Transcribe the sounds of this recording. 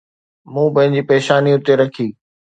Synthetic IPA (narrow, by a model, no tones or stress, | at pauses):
mũːpɐ̃ɦɪ̃ɲd͡ʑiːpeːʃaːniʊt̪eɾɐkʰiː